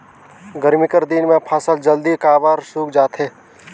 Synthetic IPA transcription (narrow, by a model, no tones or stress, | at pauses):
ɡəɾmɪkəɾd̪inmẽpʰaːsəld͡ʒəld̪ikaːbaːɾsuːkd͡ʒaːt̪ɦɛː